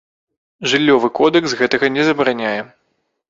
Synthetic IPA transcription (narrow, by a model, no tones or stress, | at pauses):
ʐɨlʲːɔvɨkɔd̪ɛksɣɛt̪ɐɣɐnʲɛzɐbɾanʲajɛ